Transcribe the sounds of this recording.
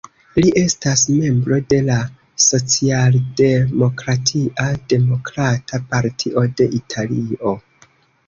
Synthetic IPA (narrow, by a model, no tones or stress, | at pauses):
liʔe̞stasme̞mbɾo̞de̞la | so̞t͡sialde̞mo̞kɾatʰiʔade̞mo̞kɾatʰapaɾtʰiʔode̞ʔitʰalio̞